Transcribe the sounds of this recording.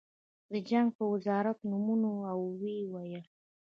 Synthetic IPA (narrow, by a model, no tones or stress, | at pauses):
d̪əd͡ʒaŋɡ̚pəwɪzɑɾat̪numunoawwewajə